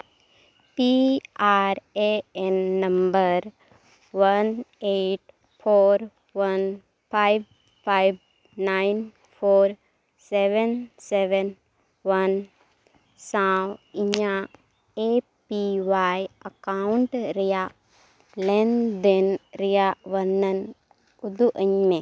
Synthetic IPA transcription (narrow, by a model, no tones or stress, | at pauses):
piaɾeenːɐ̃mbəɾ | ʋɐneʈ | pʰoːɾ | ʋɐn | pʰajb | pajb | naɪn | pʰoːɾ | seʋənseʋen | ʋɐn | sãwiɲa | e | piʋajəkaɳʈɾija | lend̪enɾijaʋɐnːɐn | ud̪uʔəɲme